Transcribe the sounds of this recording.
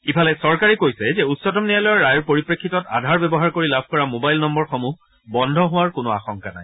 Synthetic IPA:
ipʰalɛsɔɹkaɹikojsɛzɛutsɔtɔmnijalɔjɔɹːajɔɹpoɹipɹekʰːitɔta̰dʱaɹbɛbɔɦaɹkoɹilabʱkɔɹamobajlnɔmbɔɹxomu | bɔndʱɔɦʊwaɹkʊnʊa̰xɔŋkana̰j

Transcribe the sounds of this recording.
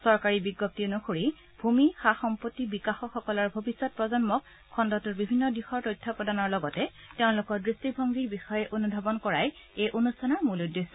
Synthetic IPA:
sɔɹkaɹibiɡːɔp̚tinɔxʰoɹi | bʱumixaxɔmpotːibikaxɔxɔkɔlɔɹbʱobisːɔt̚pɹɔzɔnmɔkʰː | ɔndɔtuɹbibʱinːɔdixɔɹtojtʰːɔpɔdanɔɹlɔɡɔtɛ | teʊ̃nlʊkɔɹdɹistibʱɔŋɡiɹbixɔjɛʔonudʱɔbɔnkɔɹaj | ejʔonusɔnaɹmuludːesːɔ

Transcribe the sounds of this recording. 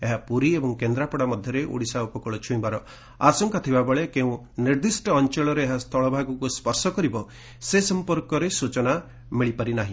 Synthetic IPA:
eɦapuɾiebɔŋkend̪ɾapɔɽamɔd̪ʱjɔɾeʔṵɽisaupɔkɔɭɔt͡ʃʰuĩbaɾɔ | asɔŋkat̪ʰibabɔɭekeũ | niɾd̪isʈɔːnt͡ʃeɭɔɾeːɦast̪ʰɔɭɔbʱaɡɔkuspɔɾsɔkɔɾibɔ | sesɔmpɔɾkɔɾesut͡ʃɔna | miɭipaɾinaɦĩ

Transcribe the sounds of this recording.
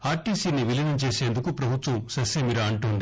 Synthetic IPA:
aːɾʈiːsiːniʋilɐnɐɲt͡ʃe̞ːse̞ːnd̪ukupɾɐbʱut̪ʋɐmsɐsemiɾɐɐɳʈuːnd̪i

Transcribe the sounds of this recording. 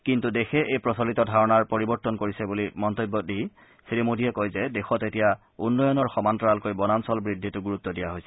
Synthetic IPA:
kintudexɛʔejpɹɔsɔlitɔdʱaɹɔnaɹpoɹibɔɹtːɔnkoɹisɛbulimɔntobːɔdij | siɹimodʱiɛkojzɛdexɔtetija | unːɔjɔnɔɹxɔmantɹalkojbɔnansɔlbɹidʱːitʊɡuɹut̪ːɔdijaɦojsɛ

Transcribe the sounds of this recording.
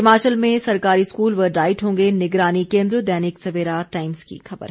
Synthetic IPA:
ɪmaːt͡ʃəlmẽsɐɾkaːɾiskuːlʋɐɖaːɪʈɦõːŋɡenɪɡɾaːnikẽːnd̪ɾəd̪ɛːnɪksɐʋeːɾaʈaːɪmskḭxɐbə̰ɾ

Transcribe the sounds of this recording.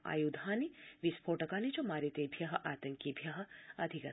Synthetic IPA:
a̰ːjud̪ʱaːniʋispʰoːʈɐkaːnit͡ʃomaːɾit̪ebʱjɐɦɐʔaːt̪ɐŋkibʱjɐɦɐ̆ɐd̪ʱikɐ

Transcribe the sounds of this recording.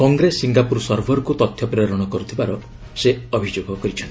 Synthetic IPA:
kɔŋɡɾesiŋɡapuɾɔsɔɾbʱɔɾɔkut̪ɔt̪ʰjɔpɾeɾɔɽ̃ɔkɔɾut̪ʰibaɾɔ | seɔbʱid͡ʒoɡɔkɔɾit͡ʃʰɔnt̪i

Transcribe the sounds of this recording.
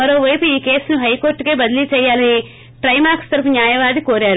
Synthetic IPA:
mɐɾo̞ːʋɐjpuiːke̞ːsnuɦɐjko̞ːɾʈɡeːbɐd̪ɐliːt͡ʃɛːjːaːlɐni | ʈɾɐjmaːkst̪ɐɾɐp̬unjaːjɐʋaːd̪ikoːɾaːɾu

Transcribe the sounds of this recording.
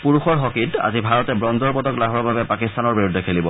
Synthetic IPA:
puɹuxɔɹɦɔkita̰zibʱaɹɔtɛbɹɔndɔɹpɔdɔklaɦɔɹbabɛpakistanɔɹbiɹudʱɛkʰelibɔ

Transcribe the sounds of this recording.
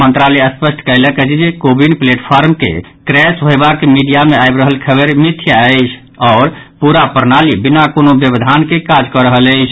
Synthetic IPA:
mənt̪ɾaleəspəsʈʰkəjləkət͡ʃʰd͡ʒekobinpleʈpʰaɾmkḛkɾɛsbʱojbakːemiɖijameajbɾəɦəlkʰəbeɾmit̪ʰːjaəɪt͡ʃʰ | ɔːɾpuɾapəɾnalibinakonobjəbd̪ʱankekad͡ʒkɔɾəɦələɪt͡ʃʰ

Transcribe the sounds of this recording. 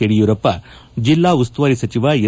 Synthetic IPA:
eɽijuːɾɐpːɐd͡ʒilːaːust̪ʋɐɾisɐt͡ʃiʋaːe

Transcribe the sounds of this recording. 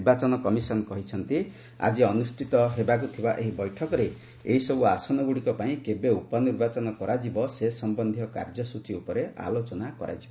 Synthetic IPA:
bat͡ʃɔnɔkɔmisɔnkɔɦit͡ʃʰɔnt̪i | a̰d͡ʒiɔnusʈʰit̪ɔɦebak̬ut̪ʰibaʔeɦibɔjʈʰɔkɔɾe | eɦisɔbuasɔnɔɡuɽikɔpaĩkebeupɔniɾbat͡ʃɔnɔkɔɾad͡ʒibɔsesɔmbɔnd̪ʱjɔka̰ɾd͡ʒɔsut͡ʃiupɔɾea̰lot͡ʃɔnakɔɾʔa̰d͡ʒibɔ

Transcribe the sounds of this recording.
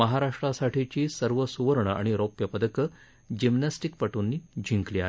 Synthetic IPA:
məɦaɾaʂʈɾasaʈʰit͡ɕiːsəɾʋəsuʋəɾɳəa̰ɽ̃iɾopjəpəd̪əkə | d͡ʑimnasʈik̚pəʈunːiːd͡ʑʱiŋkliːa̰

